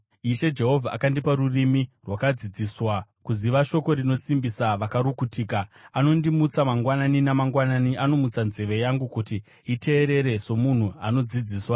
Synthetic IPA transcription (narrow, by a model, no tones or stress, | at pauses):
iʃe̞d͡ʒe̞ɦo̞vʱaʔa̰kandipaɾurimirwakad͡zid͡ziswakuziʋaʃo̞ko̞ɾino̞simbisaʋakaɾukutiːkaano̞ndimut͡samaŋɡwananinamaŋɡwananiano̞mut͡sanze̞ʋe̞jaŋɡukuti | ite̞ːɾe̞ɾe̞so̞mun̤uano̞d͡zid͡ziːswa